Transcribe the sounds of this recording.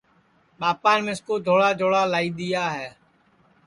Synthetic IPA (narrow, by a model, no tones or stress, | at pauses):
ɓaːpaːnmẽːskoːd̪ʱoːɽaːd͡ʒʱoːɽaːlaːiːɗ̪ɪjaːɦɛː